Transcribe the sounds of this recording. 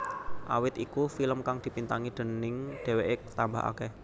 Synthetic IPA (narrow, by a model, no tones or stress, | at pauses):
ʔa̰wɪt̪ikufiləmkaŋd̪̥i̤pint̪aŋid̪̥ə̤nɪŋɖ̪̥e̤weʔɪk̚t̪amba̰ɦa̰kɛh